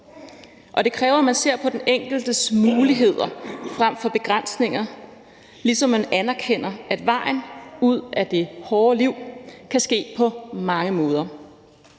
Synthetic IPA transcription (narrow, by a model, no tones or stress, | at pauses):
ʔɒ̽d̥e̝kʰʁɛːʊɐmænse̝ɐ̰pʰɒ̽d̥en̩eŋ̰ɡ̥l̩d̥əsmuːliɦe̝ð̞̰ˠɐfʁam̰fɒ̽b̥e̝ɡ̥ʁan̰sne̝ŋ̰ɐ | lisɒ̽mːænænæɐkʰen̰ɐæd̥ʋɑ̈ɪ̰n̩uð̞̰ˠæd̥e̝hɒːliʊ̰kʰæsɡ̥e̝̰ːpʰɒ̽mɑ̈ŋəmɔ̽ːð̞ˠɐ